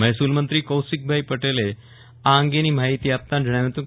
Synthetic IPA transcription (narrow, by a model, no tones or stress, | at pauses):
məɦsuːlmənt̪ɾiːkəwsik̚bʱaipəʈele | aːŋɡeniːmaɦit̪iːap̚t̪ãnd͡ʑʱəɽ̃jaʋet̪ũ